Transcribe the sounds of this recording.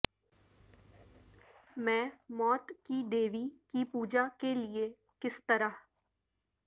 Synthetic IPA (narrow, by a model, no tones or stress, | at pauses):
mɛ̃ːmɔːt̪kid̪eːʋikipuːd͡ʒakelie | kɪst̪əɾa